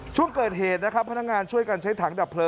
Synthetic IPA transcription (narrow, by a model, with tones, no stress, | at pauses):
t͡ɕʰu˥˩əŋkɤː˨˩t̪̚ɦeː˨˩t̪̚na˦˥kʰa˦˥pʰːa˧na˦˥k̚ŋaː˧nt͡ɕʰu˥˩əjka˧nt͡ɕʰa˦˥jt̪ʰaː˩˦ŋda˨˩pʰːlɤː˧